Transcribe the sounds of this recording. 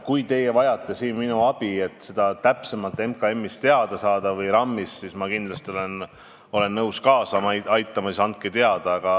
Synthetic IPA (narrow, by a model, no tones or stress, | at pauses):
kujt̪e̞jevɑjɑt̪ːˑesiːnminuɑb̥ie̞t̪ːˑse̞d̪̥ɑt̪æpse̞mɑlt̪ːˑe̞mkɑe̞mːist̪e̞ɑd̪̥ɑsɑːd̪̥ɑvɤjɾɑmːisːismɑkind̪lɑst̪iolen | o̞le̞nːɤwskɑːsɑmɑɑjt̪ːˑɑmɑsisɑnt̪̚ket̪e̞ɑd̪̥ɑɑɡ̥ɑ